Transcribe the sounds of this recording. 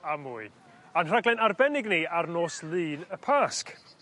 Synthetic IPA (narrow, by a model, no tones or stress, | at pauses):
amuːɨ | anr̥aɡlˠɛnarbɛnɪɡniarnoːslˠɨːnəpʰaːsk